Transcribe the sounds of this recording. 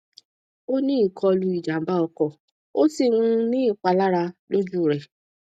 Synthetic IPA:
o˦nĩ˦i˦˨kʰɔ˧lu˧i˨d͡ʒa˨m̩˨˦ba˦ɔ˧kɔ˨ | o˦si˧ɾ̃ũ˧nĩ˦i˦˨k͡pa˧la˦ɾa˧lo˦d͡ʒu˦˨ɾɛ˨

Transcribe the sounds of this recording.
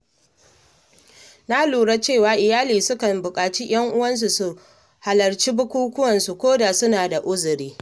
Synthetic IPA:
na˦luː˨ɽa˦t͡ʃe˦˨waː˦ʔɪ˨jaː˦liː˨sʊ˦kɐ˨mbʊ˨kʼaː˨t͡ʃi˦j̰ɐ˦ŋʔʊ˦wɐ˦ns̬u˨su˦ | ha˨lɐ˨rt͡ʃi˦bʊ˦kʷuː˦kʷʊ˦wɐ˨nsu˨kʷoː˦da˨sʊ˦naː˨da˨ʔʊ˦zʊ˨ɾiː˦

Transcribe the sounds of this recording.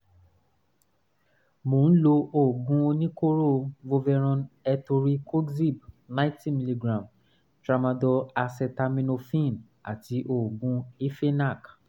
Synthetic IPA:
mõ˨˦n̩˦lo˧ʔo˨ɡũ˧˦o˧nĩ˦ko˦ɾo˦˨˧vo˧vɛ˧ɾ̃ɔ̃˧nɛ˧to˧ɾi˦kʰo˦ɡzi˦˨b̚nã˦ti˦˨mi˧li˧ɡɾã˨m | tɾa˧mã˧dɔ˧a˧sɛ˧ta˧mĩ˧no˧fĩ˦˨n | a̰˨ti˧˦ʔo˨ɡũ˧i˦fe˦na˦˨k

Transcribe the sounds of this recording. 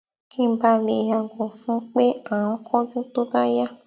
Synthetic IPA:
kĩ˦ba˧le˨ja˨ɡɔ̃˨fũ˨˦k͡pe˦ã˨ɔ̃˨˦kʰɔ˦d͡ʒũ˦t̪o˦ba˦ja˦

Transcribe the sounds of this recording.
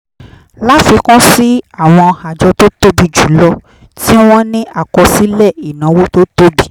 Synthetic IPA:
la˦fi˨˧kɔ̃˦si˦a˦˨w̃ɔ̃˧ɔ˧ha˨d͡ʒɔ˧to˦to˦bi˧d͡ʒu˨˦lɔ˧ | ti˦w̃ɔ̃˦nĩ˦ʔa˦˨kɔ˧si˦lɛ˦˨i˨nã˨˦wo˦to˦to˦bi˦

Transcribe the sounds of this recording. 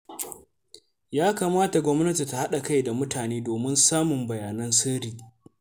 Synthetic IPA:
jaː˦kaː˨maː˦ta˨ɡʷɔ˦mnɐ˦ti˨ta˨ha˦ɗa˨ka˦jda˨mʊ˦tʰaː˨neː˦doː˨mɪ˦nsaː˦mʊ˨mbɐ˨jaː˨nɐ˦nsɪ˦ɾiː˨

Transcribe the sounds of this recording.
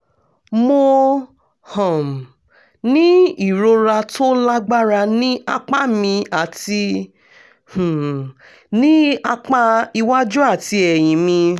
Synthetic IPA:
mo˧ | hɔ̃˨m˨ | nĩ˦i˦˨ɾo˧ɾa˧to˦la˦ɡ͡ba˦ɾa˧nĩ˦a̰˧k͡pa˦mĩ˧a˨ti˧ | hũ˨ | nĩ˦a˧k͡pa˦˧i˧wa˦d͡ʒu˦a˦˨ti˧ɛ˨j̃ĩ˨mĩ˧

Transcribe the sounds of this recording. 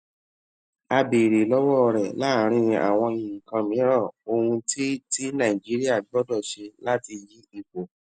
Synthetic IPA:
a˧be˨ɾe˨lɔ˦wɔ˦ɾɛ˨la˦ɾ̃ĩ˧a̰˨w̃ɔ̃˧ĩ˨ĩ˨kã˧mĩ˨˦ɾã˦˨o˧hũ˧ti˦ti˦nã˦˨i˨d͡ʒi˨˦ɾi˦a˦˨ɡ͡bɔ˦dɔ˦˨ʃe˧la˦ti˧ji˨˦i˦˨k͡po˨

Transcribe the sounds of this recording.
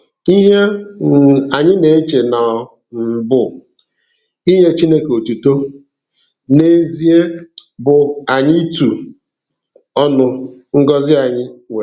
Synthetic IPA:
i˦ɦe˦ | a˨ɲɪ˦ne˨e˦t͡ʃe˨na˨ɔ˨ | m̩˨bʊ˦˨ | i˦ɦe˦t͡ʃi˦ne˦ke˨o˨tu˨to˦ | ne˨e˨zi˨e˦bʊ˨a˨ɲɪ˦tu˨ | ɔ˦nʊ˨ŋ̩˦ɡɔ˦zɪ˦a˨ɲɪ˦we˨

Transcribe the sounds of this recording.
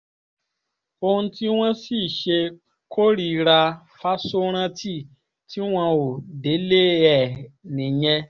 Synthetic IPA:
o˧hũ˧ti˦w̃ã˦si˦˨ʃe˧ | kʰo˦ɾi˧ɾa˧ | fa˦so˦ɾ̃ã˦tʰi˦˨ | tʰi˦w̃ã˧o˨de˨˦le˦˨ɛ˨nĩ˨jɛ̃˧

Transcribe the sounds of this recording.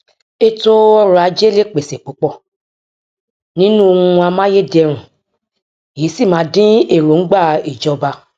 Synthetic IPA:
e˦to˦ɔ˦ɾɔ˨˦a˨˧˦d͡ʒe˦le˦˨k͡pe˨se˨k͡po˨˦k͡pɔ˦˨ | nĩ˦nũ˦o˧ŋũ˧a˧mã˦je˦de˧ɾ̃ũ˨ | je˨˦si˦˨mãː˨˦dĩ˦e˦˨ɾo˨ŋ̩˦ɡ͡ba˦˨i˨d͡ʒɔ˧˦ba˧

